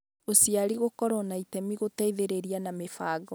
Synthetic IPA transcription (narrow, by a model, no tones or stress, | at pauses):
osiaɾiɣokɔɾɔnaitɛmiɣotaiðeɾeɾianamefaːɡɔ